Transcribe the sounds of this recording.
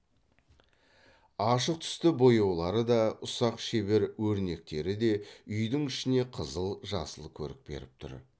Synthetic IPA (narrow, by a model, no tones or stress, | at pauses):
ɑʃəq̚t̪ʰʏ̥st̪ɪbo̞jɑwlˠɑɾəd̪ɑʊsɑqʃe̞be̞ɾwɵɾne̞k̚t̪e̞ɾɪd̪e̞ʏjd̪ɪŋɪʃɪne̞qʰəzəlˠʒɑ̰səlˠkʲʰɵ̰ɾɪ̰k̚be̞̰ɾɪp̚t̪ʰʊ̰ɾ